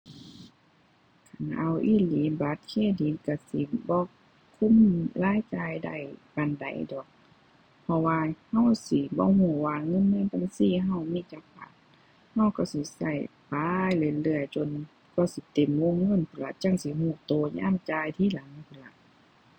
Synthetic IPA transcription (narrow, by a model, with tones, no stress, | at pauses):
kʰa˨nʔa˧˩wʔiː˧˥˨liː˨˦ba˨˦t̪̚kʰeː˧˥˨diː˨˦nka˧˩sḭ˨˦bɔː˧˨k | kʰːu˧˥˨mlaː˧˥˨jt͡ɕaː˧˨jda̰˧˩jka˧˨nda̰˨˦jdɔː˨˩k̚ | pʰɔ˧waː˧ha˧˨wsi˨˧˦bɔ̰ː˧˦huː˧˩waː˧ŋɤ˧˥˨nːɯ˧˥˨nt̪a˧˨ŋsiː˧˨ɦa˧˨wmiː˧˨t͡ɕa˧˦kpa̰˨˦n̚ | ha˧˩wka˧˩si˨˦sa˧˩jpaː˧˦jle˧˨lɯ˧˩əjt͡ɕo˧˨n | kɔː˧˩si˧˦t̪e˨mwo˧˥˨ŋːɤ˧˥˨nt̪ʰu˧˨la˧t͡ɕa˧˥˨ŋsi˧˦huː˧˩t̪oː˧˨ɲa̰ː˧˥˨mt͡ɕaː˧jt̪ʰiː˧˥˨la˨˦ŋt̪ʰɯ˧˨˩la˧˦ʔ